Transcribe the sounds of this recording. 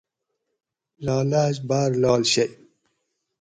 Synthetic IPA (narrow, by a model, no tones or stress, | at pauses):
lɑːlaːɕbaːɾlɑːlɕɐj